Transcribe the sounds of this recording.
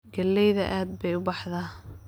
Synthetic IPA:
ɡɐlːɛjðɐʔaːd̪̚bɛjʊbɑħðɐ

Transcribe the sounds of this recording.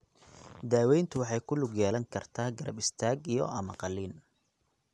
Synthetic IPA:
d̪aːwɛjnt̪ʰʊwɑħɑjkʰʊlʊɡjaːlɐŋkʰɐrt̪ʰaːɡɐɾɐ̰bɪst̪ʰaːɡijɔ̰ʔɐmɐqɑliːn

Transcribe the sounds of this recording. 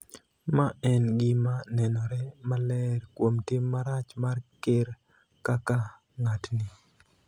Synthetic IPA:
maɛnɡɪmanɛnɔɾɛmalɛɾkwomtɪmːaɾat͡ʃmarkeɾ | kaka | ŋatnɪ

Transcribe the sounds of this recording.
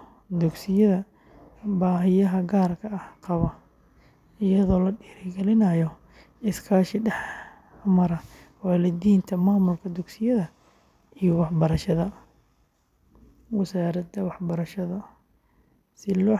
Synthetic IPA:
d̪ʊɡsɪjɐðɐ | baːɦɪjɐɦɐɡaːrkʰɐɐhqɑβɐ | ɪjɐðɔːlɐɖiːɾɪɡɛlɪnɐjɔ | ɪskʰaːʃɪɖɛħ | mɐɾɐ | wɑːlɐd̪iːnt̪ʰɐmaːmʊlkʰɐd̪ʊɡsɪjɐðɐ | ijɔwɑħbɐɾɐʃɐðɐ | wɛsaːɾɐd̪ɐwɑħbɐɾɐʃɐðɐ | sɪlɔː

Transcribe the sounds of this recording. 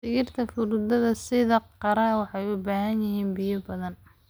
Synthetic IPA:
sɪɣɪrt̪ʰɐfʊɾʊd̪ɐðɐsɪðɐqɑɾɐwɑħɑjʊbaːɦɐnjɪɦiːnbɪjɐbɐðɐn

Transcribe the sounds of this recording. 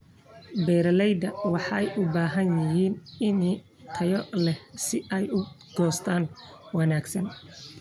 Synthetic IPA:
bɛːɾɐlɛjd̪ɐwɑħɑɛjʔʊbaːɦɐnjɪɦiːnɪn | t̪ʰɐjɔlɛhsɪʔɛjʊ | ɡ̥ɔːst̪ʰaːn | wɑnaːɡsɐn

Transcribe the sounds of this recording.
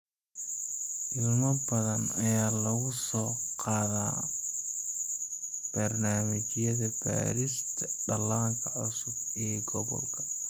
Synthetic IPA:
ʔɪlmɐbɐðɐnɐjaːlɐɣʊsɔːqɑːðaː | b̥ɐrnaːmɪt͡ʃjɐðɐb̥a̰ːɾɪst̪ʰɐɖɐlaːŋkʰɐʕʊsʊb̚ɛːɡɔβɔ̰lkʰɐ̥

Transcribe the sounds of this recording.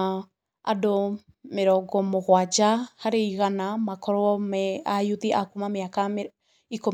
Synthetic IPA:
a̰do | meɾɔɡɔmoɣwad͡ʒahaɾeiɣanamakɔɾɔɔmɛajut̪iakumameakame | iko

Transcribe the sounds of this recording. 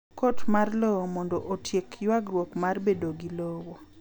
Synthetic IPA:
kotmarlɔwomɔndɔʔotʰjekjwaɡɾwokmarbedoɡilɔwo

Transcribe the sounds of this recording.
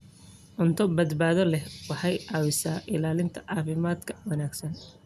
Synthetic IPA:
ʔʊnt̪ʰɔbɐd̪baːðɔlɛhwɑħɑjɑːwɪsaːʔɪlaːlɪnt̪ʰɐʕɑːfɪmaːd̪kʰɐ̥wɐnaːɡsɐn

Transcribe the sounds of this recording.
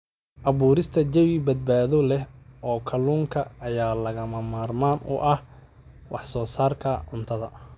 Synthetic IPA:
ʔɐβuːɾɪst̪ʰɐd͡ʒɐwɪbɐd̪̚baːðɔlɛhɔːkʰɐluːŋkʰɐɐjaːlɐɣɐmɐmaːrmaːnʔʊ̰ʔɐh | wɑħsɔːsaːrkʰɐʕʊnt̪ʰɐðɐ

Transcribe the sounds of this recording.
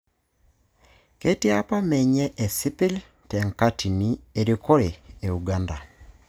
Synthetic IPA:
ketiapameɲeʔːsipil | teŋkatʰinieɾikoɾeːuɡanda

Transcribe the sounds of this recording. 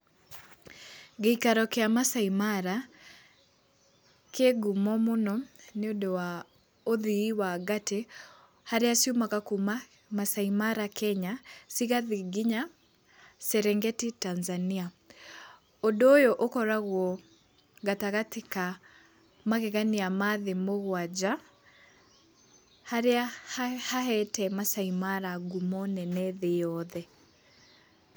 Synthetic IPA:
ɡeikaɾɔkeamasaimaɾa | keɡumɔmonɔneodowa | oðiiwaɡate | haɾeasiumakakuma | masaimaɾakʰɛɲasiɣaðiɡiɲa | sɛɾɛŋɡɛtitanzania | odoːjɔʔokɔɾaɣwɔ | ɣataɣateka | maɣɛɣaniamaðemoɣwad͡ʒa | haɾeahaɦɛtɛmasaimaɾaɡumɔnɛnɛðejɔðɛ

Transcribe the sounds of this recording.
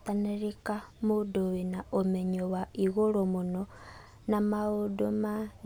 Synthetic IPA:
taneɾikamudoβinaomeɲowaiɣolomuno | namaodoma

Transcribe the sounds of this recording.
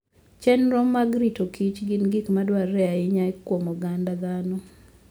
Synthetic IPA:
t͡ʃɛnɾɔmːaɡɾitokʰit͡ʃɡɪnɡikmadwaɾɛaɪɲajkwomɔɡandad̪anɔ

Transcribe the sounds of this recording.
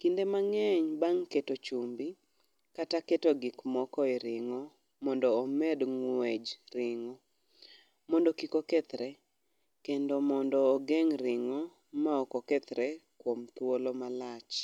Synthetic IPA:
kindemaŋɛɲbaŋketot͡ʃumbi | kataketoɡikmɔkɔɪɾɪŋɔ | mɔndɔːmɛdŋwed͡ʒɾɪŋɔ | mɔndokikokɛt̪ɾɛ | kendomɔndɔːɡeŋɾɪŋɔ | maɔkɔkɛt̪ɾekwomt̪wolomalat͡ʃ

